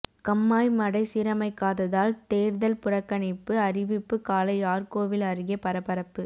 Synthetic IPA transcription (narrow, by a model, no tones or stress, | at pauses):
kɐmːaːjmɐɽɐɪsiːɾɐmɐɪkːaːðɐðaːlt̪eːɾðɐlpʊrɐkːɐɳɪpːɯɐrɪʋɪpːɯkaːlɐɪaːrkoːʋɪlɐrɯɣɐpɐɾɐpɐɾɐpːɯ